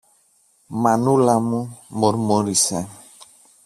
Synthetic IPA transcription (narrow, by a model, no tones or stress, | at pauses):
manulamumoɾmoɾisɛ